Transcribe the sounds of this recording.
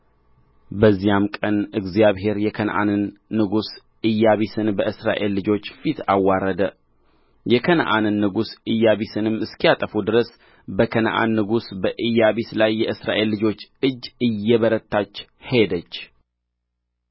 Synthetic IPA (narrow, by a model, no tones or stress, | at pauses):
bəzːijamkʼənɨɡzijaβɦe̞ɾjɛkʰən̰ʔa̰nɨnːɨɡus | ɨjːaβisɨnbəʔɨsɾa̰ʔe̞lːɨd͡ʒo̞t͡ʃːfit̪ʰawːaɾəd̪ə | jɛkʰənə̰ʔa̰nɨnːɨɡusɨjːaβisɨnɨmːɨskijat̪ʼəfud̪ɨɾəs | bəkʰənəʔa̰nːɨɡusbəʔɨjːaβislajːɛʔɨsɾaʔe̞lːɨd͡ʒo̞t͡ʃːɨd͡ʒːɨjːɛβəɾət̪ʰːat͡ʃːhed̪ət͡ʃː